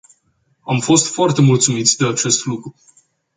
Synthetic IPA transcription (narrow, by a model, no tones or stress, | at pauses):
amfo̞st̪foart̪e̞mult̪sumit̪sʲd̪eat͡ʃe̞st̪lukɾu